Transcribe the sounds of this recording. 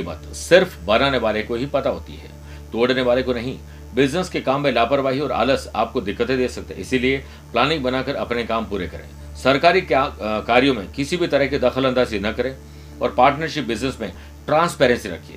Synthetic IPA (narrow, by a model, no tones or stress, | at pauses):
ba̰ːt̪sɪɾfbɐnaːneʋaːlekoɦipɐt̪aɦo̰ːt̪ḭɦɛ̰ː | t̪oːɽneʋaːlekonɐɦĩ | bɪd͡ʒnəskekaːmːẽlaːpəɾʋaːɦiɔːɾa̰ːləsa̰ːp̚kod̪ɪkːət̪ẽd̪eːsɐk̚t̪eḛɪsilie | plaːnɪ̃ŋk̚bɐnaːkɐɾɐpnekaːmpuːɾekɐɾḛ̃ː | sɐɾkaːɾikaːɾijõmẽkɪsibʱit̪ɐɾəɦkid̪ɐxəlɐ̃nd̪aːzinɐkɐɾẽː | ɔːɾpaːɾʈnəɾʃɪp̚bɪd͡ʒnəsmẽ | ʈɾãːnspɛːɾɛ̃nsiɾɐ̰kʰːiḛː